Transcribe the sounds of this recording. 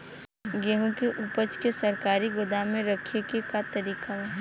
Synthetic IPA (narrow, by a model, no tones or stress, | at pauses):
ɡeɦũkeʔupət͡ʃkesɐɾkaːɾiɡʊd̪amẽɾɐkʰekekat̪ɐɾiːqaɦɛ